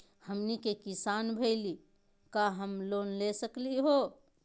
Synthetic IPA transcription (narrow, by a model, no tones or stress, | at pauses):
həmnikekisanbʱəɪli | kaɦəmlonlesəkliɦo